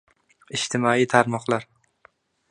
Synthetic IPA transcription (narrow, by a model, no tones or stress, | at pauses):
ɪʃt̪ʰɪmɒit̪ʰaɾmɒqlˠaɾ